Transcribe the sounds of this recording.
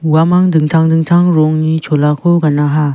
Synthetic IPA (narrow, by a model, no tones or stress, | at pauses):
wamaŋd̪ɯŋt̪ʰaŋd̪ɯŋt̪ʰaŋɾɔŋɲit͡ʃʰolakʰɔɡanaɦa